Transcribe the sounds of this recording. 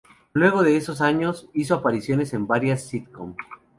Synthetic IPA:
lwe̞ɣ̞o̞ðe̞eso̞s̬aɲo̞siso̞apaɾisjo̞ne̞se̞mbaɾjasːit̪ko̰m

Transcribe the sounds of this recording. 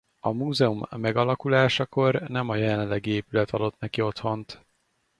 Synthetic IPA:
ɒmuːzɛumːɛɡɒlɒkulaːʃɒko̞rnɛmɒjɛlɛnlːɛɡieːpylɛt̪ʰɒd̪o̞t̪nɛkio̞t̪ho̞nt̪

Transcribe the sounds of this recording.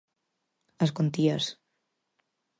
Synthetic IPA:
əskont̪iəs

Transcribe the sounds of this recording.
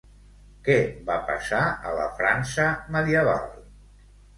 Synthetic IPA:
kɛβapə̰saələ̰fɾansəməðiəβa̰lˠ

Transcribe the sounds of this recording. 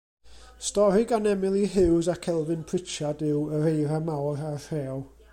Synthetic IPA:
stɔɾɪɡanɛmɪlˠiɦɪwzakʰɛlˠvɪnpʰr̥ɪt͡ʃadɪwəɾejɾamawɾarɛ

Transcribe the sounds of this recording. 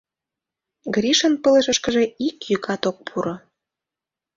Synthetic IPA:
ɡɾiʃənpələʃə̆ʃkəʒeikjykʰɑt̪ok̚pʰuɾo

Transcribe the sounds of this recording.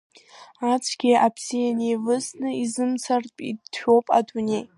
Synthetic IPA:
at͡sʷʰɡʲiʔapʰz̥ijanejvɨsnɨizɨmt͡sʰarpʼidʃᶣo̞wpʼa̰dunʲej

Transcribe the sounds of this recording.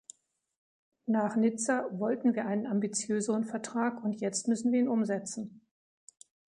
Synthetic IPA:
naːχnɪt͡savɔltn̩viːɐʔaɪnənambit͡sjøːzəʁənfɛɐtʁ̥aːkʊntjɛt͡stmʏsn̩viːɐiːnʊmzɛt͡sn̩

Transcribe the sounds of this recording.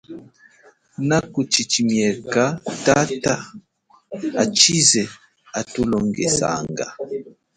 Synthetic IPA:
nakut͡ʃit͡ʃimjɛkatata | at͡ʃizɛ | atulɔŋɡɛsa̰ŋɡa̰

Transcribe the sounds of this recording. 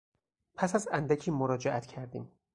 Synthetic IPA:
pʰæsæzænd̪æcʰiːmoɾɒːd͡ʒeʔæt̪cʰæɾd̪ḭːm

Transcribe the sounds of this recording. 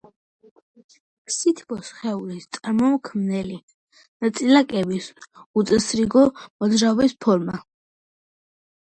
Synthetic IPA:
sit̪ʰbɔsχɛulist̪sʼaɾmɔmkʰmnɛli | nat̪sʼilakʼɛbisut̪sʼɛsɾiɡɔmɔd̪zɾaɔbɛspʰɔɾma

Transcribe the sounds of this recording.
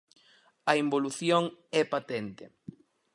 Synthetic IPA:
ɐimboluθjoŋɛpat̪ent̪ɪ

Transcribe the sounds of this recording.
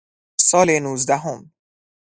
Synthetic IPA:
sɒːlenuːzd̪æɦom

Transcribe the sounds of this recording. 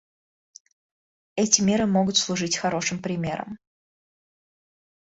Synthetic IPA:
ɛtʲɪmʲeɾɨmo̞ɡʊt̪slˠʊʐɨtʲxɐɾo̞ʂɨmpɾʲɪmʲe̞̰ɾə̰m

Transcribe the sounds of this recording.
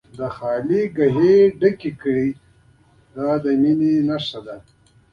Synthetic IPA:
d̪əxɑːliɡaɦeɖəkikəɽi | d̪ad̪əmininaʂad̪a

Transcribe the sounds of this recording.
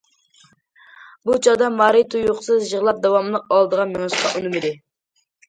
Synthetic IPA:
but͡ʃʰɑd̪ɑmɑɾit̪ʰujuqsɨzʒəʁlˠɑp̚d̪ɑwɑmlˠəqɑlˠd̪əʁɑmeŋɨʃqɑʔunɨmɪd̪ɪ

